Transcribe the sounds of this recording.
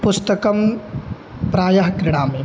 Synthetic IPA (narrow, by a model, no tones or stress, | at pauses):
pʊst̪ɐkɐm | pɾaːjɐɦkɾɪɽ̃aːmẽː